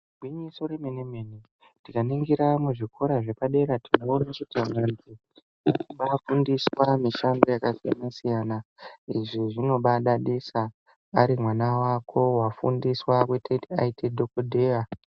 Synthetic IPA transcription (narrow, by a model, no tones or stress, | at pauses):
ɡʱwiɲiso̞ɾemenemene | tikaniŋɡiɾamuʐikʰo̞ɾaʐe̞paɗe̞ɾatʰinoːnakutimanzi | inuɓafundiswamiʃambo̞jakasija̰nasijanaiʐiʐino̞ɓaɗaɗisaː | ɾimwanawakʰo̞wafṵndiswakwetʰetia̰itedʱokodʱeːwa